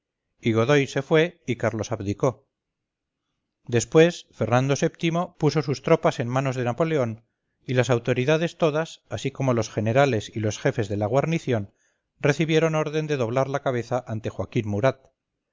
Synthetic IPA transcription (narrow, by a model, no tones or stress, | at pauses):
iɣo̞ðo̞jse̞fwe̞ikaɾlo̞saβðiko̞ | d̪e̞spwe̞sfe̞ɾnand̪o̞se̞pt̪imo̞puso̞s̬ust̪ɾo̞pase̞nmano̞zðe̞napo̞le̞o̞n | ilasawt̪o̞ɾiðaðe̞st̪o̞ðasasiko̞mo̞lo̞sχe̞ne̞ɾale̞silo̞sxe̞fe̞zðe̞laɣ̞waɾniθjo̞n | re̞θiβje̞ɾo̞no̞ɾðe̞nd̪e̞ðo̞β̞laɾlakaβ̞e̞θaʔant̪e̞xwakinmuɾat̪̚